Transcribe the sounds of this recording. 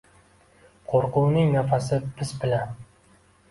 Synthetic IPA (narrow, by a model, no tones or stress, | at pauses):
qʰoɾqʰʊwnɪŋnafasɪb̥ɪzbɪlan